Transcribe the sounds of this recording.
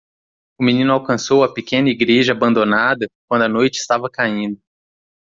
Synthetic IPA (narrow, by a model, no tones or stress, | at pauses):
ʊminĩnʊawkɐ̃sowɐpekẽnɐiɡɾeʒɐabɐ̃nd̪onad̪ɐkwɐ̃d̪ʊɐnojt͡ʃɪ̥st̪avɐkaĩnd̪ʊ